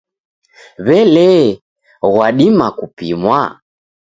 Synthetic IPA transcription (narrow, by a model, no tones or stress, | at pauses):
βɛlɛ | ɣwaɗimakupḭmwa